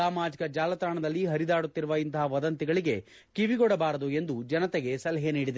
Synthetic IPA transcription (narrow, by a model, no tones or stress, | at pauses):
aːmaːd͡ʒikɐd͡ʒaːlɐt̪ɾaːɳɐd̪ɐlːiɦɐɾid̪aːɽut̪ːiɾuʋɐint̪ɐɦɐʋɐd̪ɐnt̪iɡɐɭiɡe̞ | kiʋiɡɔɽɐbaːɾɐd̪ue̞nd̪ud͡ʒɐnɐt̪ɛɡe̞sɐlɐɦeniːɽid̪